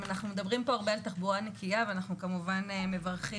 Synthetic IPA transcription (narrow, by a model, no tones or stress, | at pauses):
anaχnumed̪ɐbʁimpo̞aʁbealt̪aχbuʁanekʰijaveanaχnukamuvaneme̞vaʁχi